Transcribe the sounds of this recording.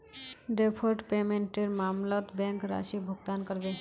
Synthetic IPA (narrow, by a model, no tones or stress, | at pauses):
ɖepʰoɾʈpemeɳʈeɾmamlot̪bɛŋkɾa̰ʃibʱoɡt̪ankɔɾbe